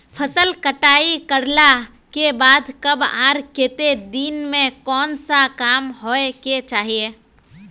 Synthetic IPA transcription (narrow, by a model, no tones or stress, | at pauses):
pʰəsəlkəʈaːikəɾla | kebaːd̪kəbã̰ːɾket̪ed̪iːnmẽkɔːnsakaːmɦoeket͡ʃaːɦie